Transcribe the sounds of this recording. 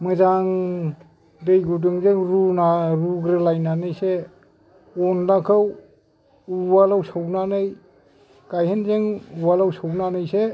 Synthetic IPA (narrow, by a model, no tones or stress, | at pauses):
mɯzaŋ | dɯjɡudɯŋzeŋɾunaɾuɡɾɯlajnanɯjse | ɔnlakʰɯw | uwalawsawnanɯj | ɡ̥ajhenzeŋuwalawsawnanɯjse